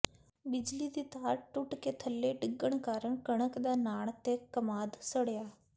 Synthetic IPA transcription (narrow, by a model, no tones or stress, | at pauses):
bɪd͡ʒliːd̪iːt̪aːɾʈʊʈkeːt̪ʰəlːeːɖɪɡəɳkaːɾəɳkəɳ̃əkd̪aːnaːɳt̪eːkəmaːd̪səɽjaː